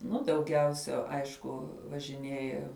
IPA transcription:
ˈnʊ dɐʊˈɡʲɛʊsʲɛ ˈɐɪʃkʊ ʋɐʒʲɪˈnʲiɛjɛ

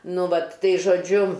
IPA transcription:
ˈnʊ ˈʋɐt ˈtɐɪ ʒoːˈd͡ʒʲʊ

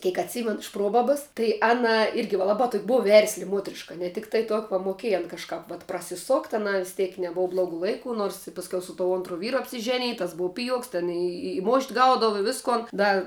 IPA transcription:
ˈkʲeːk ɐtʲˈsʲiːmʲɛnʊ ɪʃ ˈproːbɐbɐs tɐɪ ˈɑːnɐ ˈɪrʲɡʲɪ ʋɐ ˈlˠɑːbɐ toːkʲ ˈbʊw ˈʋʲɛrʲsʲlʲɪ ˈmuɔtʲrʲɪʃkɐ nʲɛ ˈtʲɪktɐɪ toː ʋɐ moːˈkʲeːj ɐn kɐʃˈkɐp ʋɐt prɐsʲɪˈsoːktʲ ɐˈnɐɪ ʋʲɪs ˈtʲiɛk nʲɛˈboːʋɐ ˈblˠoːɡʊ ˈlˠɐɪkʊ ˈnoːrs ɪ pɐsʲˈkʲɛʊ sʊ toː ˈoːntrʊ ˈʋʲiːrʊ ɐpʲsʲɪˈʒʲæːnʲɪj tɐs ˈbʊʊ ˈpʲɪjuɔks tʲɛn ɪ ɪ moːʃʲtʲ ˈɡɐʊdɐʋɐ ɪ ˈʋʲɪskoːn ˈdɐ

